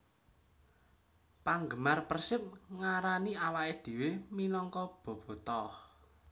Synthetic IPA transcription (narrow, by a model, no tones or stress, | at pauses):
paŋɡəmarpərsɪp̚ŋaɾaniawaʔed̪̥i̤weminɔŋkɔb̥ɔ̤b̥ɔ̤t̪ɔh